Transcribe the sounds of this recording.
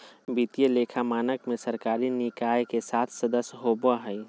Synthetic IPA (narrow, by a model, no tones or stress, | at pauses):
bit̪ijəleːkʰamaːnəkmẽsəɾkaːɾinɪkaːjkesaːt̪ʰsəd̪əsjɦobaɦɛi